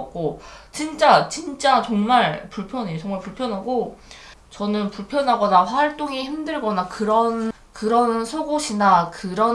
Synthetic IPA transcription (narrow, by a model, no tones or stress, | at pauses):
k̚k͈ot͡ɕint͡ɕ͈at͡ɕint͡ɕ͈at͡ɕʌŋmaɭpuɭpʰjʌneot͡ɕʌŋmaɭpuɭpʰjʌnɦaɡo | t͡ɕʌnɯnpuɭpʰjʌnɦaɡʌnaɸwaɭt͈oŋihimdɯɭɡʌnakɯɾʌn | kɯɾʌnsʰoɡoɕʰinakɯɾʌ